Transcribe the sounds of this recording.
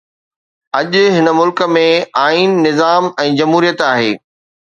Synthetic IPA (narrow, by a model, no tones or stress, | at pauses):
ɐʄʊɦɪnəmʊlkəmẽaːiːnːɪzaːmɛ̃ːd͡ʑɐmɦuːɾijət̪aːɦeː